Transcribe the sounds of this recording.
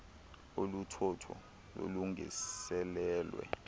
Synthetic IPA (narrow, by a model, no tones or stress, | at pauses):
olutʰɔtʰɔ̰ | lo̰luŋḭsɛlɛːlwɛ̰